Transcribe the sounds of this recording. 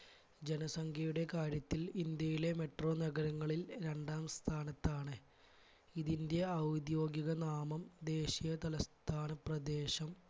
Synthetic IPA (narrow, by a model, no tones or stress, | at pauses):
d͡ʑe̞nɐsɐŋkʰjɐjuɽe̞kaːɾjɐt̪ːilind̪jɐjile̞me̞ʈro̞ːnɐɣɐɾɐŋːɐɭilɾe̞ɳɖaːmst̪ʰaːnɐt̪ːaːɳɨ | iðind̪jɐːwd̪jo̞ːɡjiɣɐnaːmɐmd̪e̞ːɕijɐt̪ɐlɐst̪ʰaːnɐprɐd̪e̞ːɕɐm